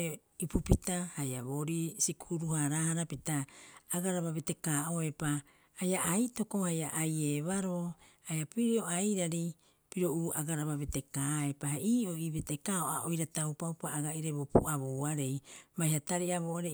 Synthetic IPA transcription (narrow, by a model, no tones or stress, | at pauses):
ipupitahajaβoɾisikuuɾuhaɾaːhaɾapitaːɡaɾaβaβete̞kaːoe̞paː | jaʔaito̞ko̞hajaʔajeβaɾo̞hajapiɾioajɾaɾi | piɾo̞uːaɡaɾaβaβete̞kaːe̞paheʔiːoiβetekaoa̰ʔojɾatawpawpaːɡaiɾebopṵaβoaɾe̞jbajhataɾiaβoːaɾe